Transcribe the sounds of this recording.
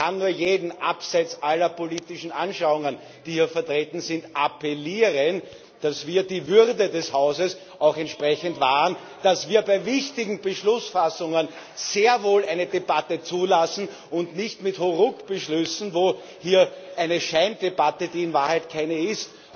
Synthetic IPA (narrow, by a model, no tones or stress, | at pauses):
anːuːɐjeːdn̩ʔapsɛt͡sʔalɐpoliːtɪʃn̩anʃaʊʊŋən | d̥iːhiːɐfɛɐtʁeːtn̩zɪntʔapɛliːʁən | d̥asviːɐdiːvʏʁdədɛshaʊzəs | ɑʊxɛntʃpʁɛçəntvaːʁən | d̥asv̥iːɐbæɪvɪçtɪɡŋ̩bəʃlʊsfasʊŋən | z̥eːɐvoːlæɪnədebatət͡suːlasn̩ | ʊndnɪçtmɪthoʁʊkb̥əʃlʏsn̩voː | hiːɐʔæɪnəʃæɪndebatədiːɪnvaːɐhɛɪtkʰæɪnəɪst